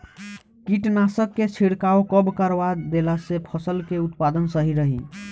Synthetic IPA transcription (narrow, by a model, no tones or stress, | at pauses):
kiʈnasəkːet͡ʃʰiɽkaokəbkəɾbad̪elasepʰəsəlkeut̪pad̪ənsəɦiɾəɦḭ